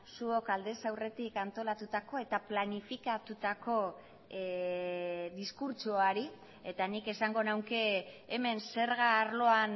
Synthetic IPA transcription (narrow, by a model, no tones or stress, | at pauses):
suokald̪e̞sawre̞t̪ikant̪o̞lat̪ut̪ako̞e̞t̪aplanifikat̪ut̪ako̞ | ðiskuɾt͡ʃoaɾi | e̞t̪anike̞saŋɡo̞nawke̞ːme̞nse̞ɾɣaːɾlo̞an